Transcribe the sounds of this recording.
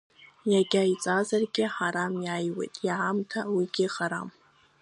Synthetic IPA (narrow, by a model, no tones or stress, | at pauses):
jaɡʲait͡sʼazarɡʲɪħaɾamjajwḛjtʼjaʕamtʰawiɡʲɪχaɾam